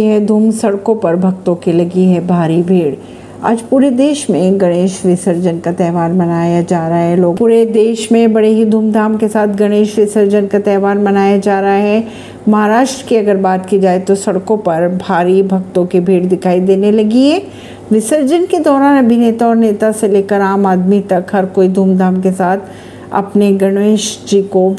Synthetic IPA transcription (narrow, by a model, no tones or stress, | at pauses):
ɦɛd̪ʱuːmsɐɽkõpɐɾbʱɐɡ̚t̪õkilɐɡiɦɛbʱaːɾibʱiːɽ | a̰ːd͡ʒpuːɾed̪eːʃmẽɡɐɽ̃eːʃɾɪsəɾd͡ʒənkat̪ɛːɦʋaːnmɐnaːjad͡ʒaːɾɐaɦɛloːɡpuːɾed̪eːʃmẽbɐɽeɦid̪ʱuːmd̪ʱaːmkesaːt̪ʰɡɐɽ̃eːʃɾɪsəɾd͡ʒənkat̪ɛːʋaːnmɐnaːjad͡ʒaːɾɐɦaɦɛ | mɐɦaɾaːʃʈɾəkiɐɡəɾbaːt̪kid͡ʒaːet̪osɐɽkõpɐɾbʱaːɾibʱɐɡt̪õkibʱiːɽd̪ɪkʰaːid̪eːnelɐɡiɦɛ̃ː | ʋɪsəɾd͡ʒənked̪ɔːɾaːnɐbʱineːt̪aɔːɾneːt̪aseleːkəɾaːmaːd̪mit̪ɐkɦɐɾkoːid̪ʱuːmd̪aːmkesaːt̪ʰ | ɐ̰pneɡɐɽ̃ʋeːʃd͡ʒiːko